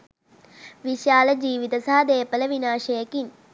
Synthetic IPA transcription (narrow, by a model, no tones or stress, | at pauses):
ʋiʃaːlɐd͡ʒiːʋit̪ɐsaɦɐd̪eːpələʋinaːʃɐjɐkin